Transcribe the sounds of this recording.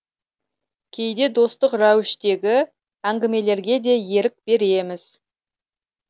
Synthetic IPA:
kʲʰe̞jd̪e̞d̪o̞st̪əqrɑwɪʃt̪e̞ɡʲɪ | æŋɡʲɪme̞le̞ɾɡʲe̞d̪e̞je̞ɾɪk̚b̥e̞ɾe̞mɪz̥

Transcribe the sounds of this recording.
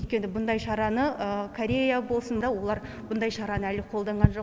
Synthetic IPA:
ɵjt̪kʲe̞nɪbʊnd̪ɑjʃɑɾɑnəəkʰoɾʲe̞jabo̞lˠsənd̪ɑwo̞lˠɑɾ | bʊnd̪ɑjʃɑɾɑnəælɪqʰo̞lˠd̪ɑɴʁɑnʒo̞

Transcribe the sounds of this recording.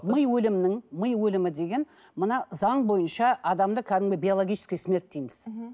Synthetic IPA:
məjwɵlɪmnɪŋməjwɵlɪmɪd̪e̞ɡʲe̞n | mənɑzɑɴbo̞jənʃɑɑd̪ɑmd̪əkʲʰæd̪ɪmbʲejbʲijolˠoɡʲijʃɪ̥skʲijsme̞ɾt̪̚ːejmɪz̥

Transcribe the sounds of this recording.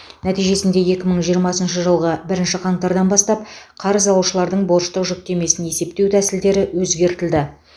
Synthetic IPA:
næt̪ijʒe̞sɪnd̪e̞je̞kʲɪməɴʒijəɾmɑsənʃəʒəlˠʁəbɪɾɪnʃɪqʰɑɴt̪ɑɾd̪ɑnbɑst̪ɑpqʰɑɾəzɑw̪ˠuʃəlˠɑɾd̪əɴbo̞ɾʃt̪əqʒʏk̚t̪e̞me̞sɪnje̞se̞p̚t̪e̞wt̪ʰæsɪld̪e̞ɾɪwɵzɡʲe̞ɾt̪ɪld̪ɪ

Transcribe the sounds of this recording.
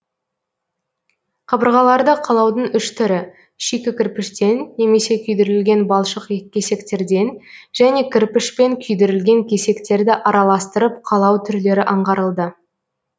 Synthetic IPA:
qʰɑbəɾʁɑlˠɑɾd̪əqʰɑlˠɑwd̪əɴʏʃt̪ʰʏɾɪ | ʃekʲɪkʲɪɾpɪʃt̪e̞nːe̞me̞se̞kʲʰʏjd̪ɪɾɪlɡʲe̞nbɑlˠʃəqeːe̞se̞kt̪e̞ɾd̪e̞nʒ̥æne̞kʲʰɪɾpɪʃpe̞ŋkʲʰʏjd̪ɪɾɪlɡʲe̞ŋkʲʰe̞se̞kt̪e̞ɾd̪ɪʔɑɾɑlˠɑst̪əɾəp̚qʰɑlˠɑwt̪ʰʏɾle̞ɾɪʔɑɴʁɑɾəlˠd̪ə

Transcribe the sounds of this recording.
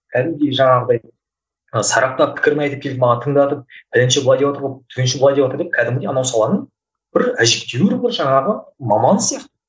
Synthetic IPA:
kʲʰæd̪ɪmd̪eʒɑɴɑʁəd̪ɑj | əsɑɾɑq̚t̪ɑpʰɪ̥kʲɪɾmɑjt̪ekʰʲe̞ld̪ɪmɑʁɑt̪ʰəɴd̪ɑt̪əp̚b̥ɪlɪnʃeblˠɑd̪ʲjwat̪əɾʁot̪ʰʲenʃɪblˠɑd̪ʲewat̪əɾd̪ep̚kʲʰæd̪ɪmɡɪd̪eɑnɑwsɑlˠɑnəɴ | b̥ɪɾæʒep̚t̪e̞wɪɾbɪɾʒɑɴɑʁəmɑmɑnsijɑqt̪ə

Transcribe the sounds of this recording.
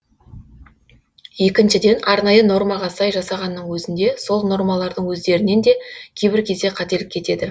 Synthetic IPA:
je̞kʲɪnʃɪd̪e̞nɑɾnɑjəno̞rmɑʁɑsɑjʒɑsɑʁɑnːəɴwɵzɪnd̪e̞so̞lˠno̞ɾmɑlˠɑɾd̪əɴwɵzd̪e̞ɾɪne̞nd̪e̞kʲʰe̞jbɪɾkʲʰe̞zd̪e̞qʰɑt̪e̞lɪkʲʰːe̞t̪e̞d̪ɪ

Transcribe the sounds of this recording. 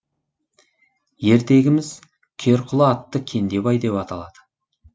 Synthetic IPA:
je̞ɾt̪e̞ɡʲɪmɪz̥ | kʲʰe̞ɾqʰʊlˠəːt̪ːəkʲʰe̞nd̪e̞bɑjd̪e̞pɑt̪ɑ̰lˠɑd̪̥ə

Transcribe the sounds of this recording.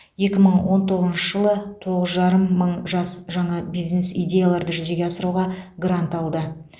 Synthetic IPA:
je̞kʲɪməɴwo̞nt̪ʰo̞ʁəznʃəʒəlˠət̪ʰo̞ʁəzʒɑɾəmːəɴʒɑsʒɑɴɑbijzne̞sḭjdʲe̞jalˠɑɾd̪əʒʏze̞ɡʲeɑsəɾuʁɑɡrɾant̪ɑlˠd̪ə

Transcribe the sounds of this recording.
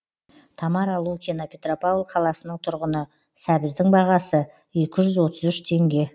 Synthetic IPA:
t̪ʰɑmɑɾɑlˠukʲʰinopʰʲe̞t̪ropalˠqʰɑlˠɑsənəɴt̪ʰʊɾʁənə | sæbɪzd̪ɪŋbɑʁɑsə | e̞kʲɪʒʏzwo̞t̪əzʏʃt̪ʰe̞ŋɡʲe̞

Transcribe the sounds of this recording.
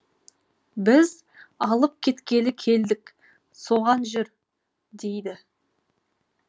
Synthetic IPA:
bɪz | ɑlˠəp̚kʲʰe̞t̪kʲe̞lɪkʲʰe̞ld̪ɪk | so̞ʁɑnʒʏɾ | d̪e̞jd̪ɪ

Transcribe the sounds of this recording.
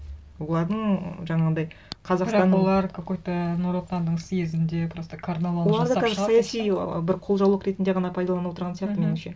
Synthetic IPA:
wo̞lˠɑɾd̪əɴʒɑɴɑʁəd̪ɑjqʰɑzɑqst̪ɑnːolˠɑɾkʰokojt̪anuɾot̪ːand̪əɴsjezɪnd̪epʰɪɾost̪əkʰaɾnalˠowolˠɑɾd̪əkʰæzɪɾsɑjɑsij̰bɪɾqʰo̞lˠʒɑw̪ˠəqɾe̞t̪ɪnd̪e̞ʁɑnɑpʰɑjd̪ɑlˠɑnəwot̪əɾʁɑnijɑqt̪əme̞nɪmʃe̞

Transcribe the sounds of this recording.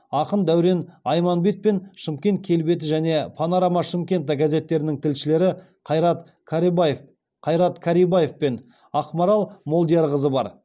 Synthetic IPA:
ɑqənd̪æwɾe̞nɑjmɑnbe̞t̪̚pe̞nʃəmkʲe̞nt̪̚kʲʰe̞lbe̞t̪̬ɪʒæne̞pʰɑnaɾɑmɑʃəmkʲe̞nt̪̬akʲæze̞t̪ːe̞ɾɪnɪŋt̪ʰɪlʃɪle̞ɾɪ | qʰɑjɾɑt̪ | kʰɾ | qʰɑjɾɑt̪kʰaɾijbaje̞fpe̞n | ɑqmɑɾɑlˠmo̞lˠd̪ijɑɾʁəzəbɑɾ

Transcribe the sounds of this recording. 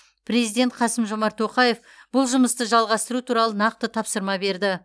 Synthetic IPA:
pɾe̞zijd̪ʲe̞nt̪̚qʰɑsəmʒo̞mɑɾt̪ʰo̞qɑje̞f | b̥ʊlˠʒʊməst̪əʒɑlˠʁɑst̪əɾut̪ʰuɾɑlˠənɑq̚t̪ət̪ʰɑpsəɾmɑbe̞ɾd̪ɪ

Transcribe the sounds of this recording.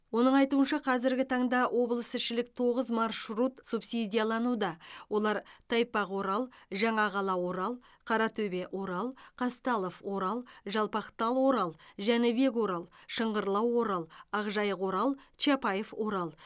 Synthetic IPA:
wo̞nəɴɑjt̪uənʃɑqʰɑzɪɾɡʲɪt̪ʰɑɴd̪ɑwʔo̞blˠəsɪʃɪlɪk̚t̪ʰo̞ʁəzmɑrʃɾut̪supsid̪ʲijalˠɑnud̪ɑwʔo̞lˠɑɾt̪ʰɑjpɑqwo̞ɾɑlˠʒɑɴɑʁɑlˠɑwo̞ɾɑlˠ | qʰɑɾɑt̪ʰɵbe̞ʔwo̞ɾɑlˠqʰɑst̪ɑlˠofwo̞ɾɑlˠʒɑlˠpɑqt̪ɑlˠwo̞ɾɑlˠʒænɪbe̞kwo̞ɾɑlˠʃəɴʁəɾlˠɑwo̞ɾɑlˠɑʁʒɑjəqwo̞ɾɑlˠt͡ʃapɑjefwo̞ɾɑlˠ

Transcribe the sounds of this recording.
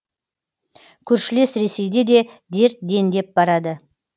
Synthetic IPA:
kʲʰɵɾʃɪle̞sɾe̞se̞jd̪e̞d̪e̞d̪e̞ɾt̪̚d̪e̞nd̪e̞p̚bɑɾɑd̪ə

